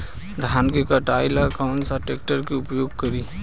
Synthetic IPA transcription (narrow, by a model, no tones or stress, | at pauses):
d̪ʱaːnkekɐʈaːɪlakaʊɳʈsaʈeːkʈəɾkeʊpjoːɡ̚kɐɾiː